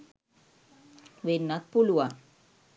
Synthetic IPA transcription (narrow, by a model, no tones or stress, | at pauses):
ʋenːak̪̚pulua